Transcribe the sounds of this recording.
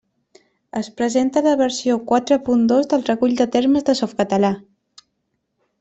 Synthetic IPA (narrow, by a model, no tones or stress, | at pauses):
əspɾəzent̪ələβəɾsiokwat̪ɾəpund̪ozðəlˠrəkuʎʲd̪ət̪eɾməzðəsɔfkət̪əla